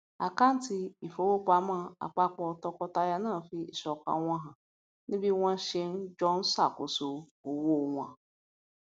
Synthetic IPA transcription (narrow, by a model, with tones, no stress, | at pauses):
a̰˨ka˦n̩˦ti˨i˨fo˦wo˦k͡pʷa˨˦ma˦˨a̰˨k͡pa˦k͡pɔ˨tɔ˦kɔ˦ta˦ja˦nãː˦˨fi˦i˨sɔ˨ka̰˦ŋʷã˦ɦa˨ | nɪ̃˦bi˦ŋʷa˦ʃɪ˦n̩˦d͡ʒɔ˦n̩˦sa˨ko˨so˨ | o˨wo˦˨ŋʷa˨